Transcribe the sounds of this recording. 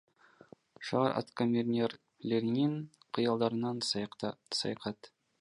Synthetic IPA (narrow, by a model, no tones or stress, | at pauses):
ʃɑʁɑɾʔɑ̰t̪komʲeɾʲnʲer | lʲeɾɪneɴqʰəjɑlˠd̪ɑɾənɑn | sɑ̰jqɑt̪